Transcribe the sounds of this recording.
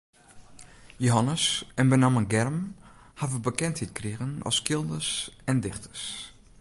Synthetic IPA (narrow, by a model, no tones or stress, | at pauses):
joɦanəsɛnbənamənɡɛrmhavəbəkɛnthit̚kriɣənɔ̰skɪlˠdəsɛndɪxtə̥rs